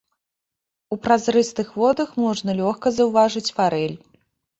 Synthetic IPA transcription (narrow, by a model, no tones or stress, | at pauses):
upɾazɾɨst̪ɨxvɔd̪ɐxmɔʐnɐlʲɔxkɐzɐwvaʐɨt͡sʲfaɾɛlʲ